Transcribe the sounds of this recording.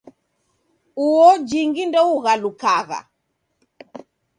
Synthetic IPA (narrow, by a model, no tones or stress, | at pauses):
uwɔd͡ʒiŋɡindɔuɣalukaɣa̰